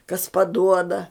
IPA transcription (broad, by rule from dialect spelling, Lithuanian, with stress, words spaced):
kɐs pɐˈduɔdɐ